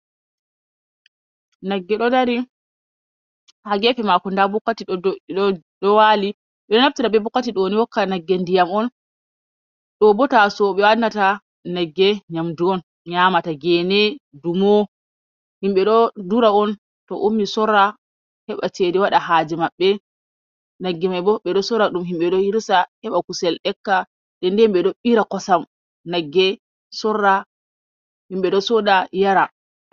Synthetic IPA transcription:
naɡːɛɗɔdaɾi | haɡɛfɛmakɔndabɔkːatiiɔ | ɗɔwali | ɓɛɗɔnaf̚tiɾabɛbɔkːatiɗɔwniwɔkːanaɡːɛndijamɔn | ɗɔbɔtasɔɓɛwanːata | nɛɡːɛɲamduɔn | ɲamataɡɛnɛdumɔ | himɓɛɗɔduɾaɔn | tɔ̰ʔumːisɔrːa | hɛɓa̰t͡ʃediwaɗahad͡ʒimaɓːɛ | naɡːɛmajbɔɓɛɗɔsɔɾaɗumɦimɓɛɗɔhiɾsahɛɓakusɛlɗɛkːa | ɗɛndɛmɓɛɗɔɓiɾakɔsam | naɡːɛ | sɔrːa | himɓɛɗɔsɔɗajaɾa

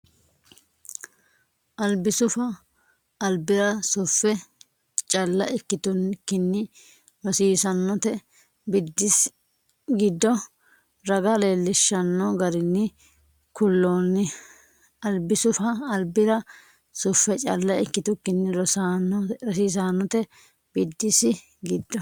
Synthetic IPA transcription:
ʔɐlbɪsʊfɐː | lbɪɾɐsʊfːɛ | t͡ʃʼɐlːɐʔɪkːɪt̪ʊnkːɪnːɪ | ɾɔsiːsɐnːɔt̪ɛ | bɪd̪ːɪs | ɡɪd̪ːɔ | ɾɐɡɐleːlːɪʃːɐnːɔɡɐɾɪnːɪ | kʊlːoːnːɪ | ɐlbɪsʊfɐːlbɪɾɐ | sʊfːɛt͡ʃʼɐlːɐɪkːɪt̪ʊkːɪnːɪɾɔsanɾɔsiːs̬aːnːɔt̪ɛ | b̥ɪd̪ːɪsɪ | ɡɪd̪ːɔ

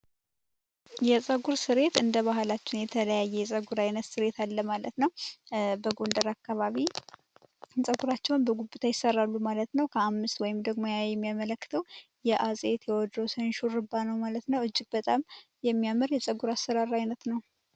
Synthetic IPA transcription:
jɛsʼəɡuɾsɨɾe̞t̪ɨnd̪əβahɨlat͡ʃːɪnjɛt̪ʰələjajːɛjɛsʼəɡuɾajnət̪sɨɾe̞t̪ʰalːəmalət̪nəwbəɡo̞nd̪əɾakːaβaβi | sʼəɡuɾat͡ʃːɛwnbəɡubːɨt̪ʰajɪsərːalːumalət̪nəwkʰəamːɨst̪wɔjɪmd̪əɡmo̞jajɛmːijamələkːɨ̥t̪ʰəw | jɛʔasʼe̞t̪jɛwɔd̪ːəwsənʃuɾɨbːanəwmalət̪nəwɨd͡ʒːɪɡ̚bət̪ʼamjɛmːijaməɾjɛsʼəɡuɾast̪əɾaɾajnət̪nəw

